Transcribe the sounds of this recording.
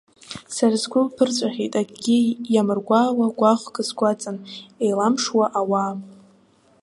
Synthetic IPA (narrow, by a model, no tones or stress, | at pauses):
sarazɡʷʊlpʰɨrt͡ɕʷʼaχʲejtʼaɡɡʲijamɨrɡʷaːwaɡʷaχʷɡʼɨzɡʷat͡sʼanejlamʂwaʔawaːm